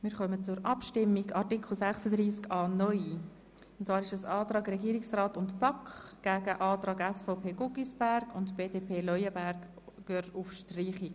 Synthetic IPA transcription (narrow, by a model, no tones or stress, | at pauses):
mɪːɾχœmət͡sʊɾʔɑpʃtɪmːiɡɑrtikʰl̩sæχsədriːskɑːnɔʏi | ʊntt͡sʋɑːɾɪʃəsɑːtrɑːɡrɛɡiːɾɪksraːtʊntpɑkχɡ̥æːɡ̥əʔɑːtɾɑːɡɛsfɔpʰeːɡʊɡisb̥æɾɡʊntb̥eːdeːpʰeːlɔjəbæɾkː | øːɾtufʃtriːχik